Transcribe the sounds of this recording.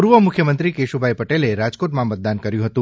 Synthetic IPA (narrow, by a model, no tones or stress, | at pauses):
uɾʋəmʊkʰjəmənt̪ɾikeʃubʱajpəʈeleɾad͡ʒkoʈmãmət̪̚d̪ankəɾjũɦət̪ũ